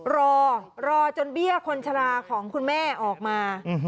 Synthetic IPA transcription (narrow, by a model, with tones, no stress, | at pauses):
ɾɔː˧ɾɔː˧t͡ɕo˧nbi˥˩əkʰo˧nt͡ɕʰa˧laː˧kʰɔː˩˦ŋkʰu˧nmɛː˥˩ʔɔː˨˩k̚maː˧˨˧